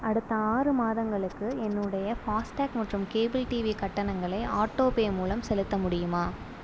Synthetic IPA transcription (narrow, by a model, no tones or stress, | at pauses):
ɐɽɯt̪ːɐaːrɯmaːðɐŋɡɐɭɯkːɯɛnːɯɽɐjɐfaːsʈaːkmɐʈrɯmkeːbɪlʈiːʋikɐʈːɐnɐŋɡɐɭɐɪaːʈːoːpeːmuːlɐmsɛlɯt̪ːɐmʊɽɪjɯmaː